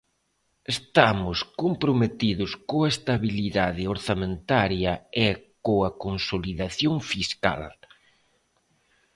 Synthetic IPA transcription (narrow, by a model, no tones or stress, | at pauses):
est̪amʊskompɾomet̪iðʊskoɐest̪aβiliðaðɪoɾθamẽnt̪aɾjɐekoɐkonsoliðaθjoŋfiska̰l